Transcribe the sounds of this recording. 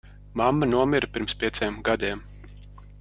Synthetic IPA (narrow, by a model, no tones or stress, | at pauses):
mamːɐnuɔmʲiɾəpʲiɾmspʲiɛt̪sʲejmɡad̪iːm